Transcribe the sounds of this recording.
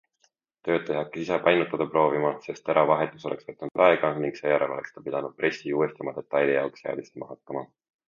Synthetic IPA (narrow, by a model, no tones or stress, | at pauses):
t̪ø̞ːd̪̚t̪e̞ɦɑkːˑeisepɑjnut̪ːˑɑd̪̥ɑpro̞ːvimɑse̞st̪eɾʔɑvɑɦe̞t̪ːˑu̥so̞le̞ksvet̪ːˑɑnud̪̥ɑeɡ̥ɑniŋɡ̥se̞ːjæɾe̞lo̞le̞kst̪ɑpid̪̥ɑnud̪̥̚pre̞sːiuːest̪ɑmɑd̪̥e̞t̪ːˑɑjlijɑoksheɑ̰d̪̥ist̪emɑɦɑkːɑmɑ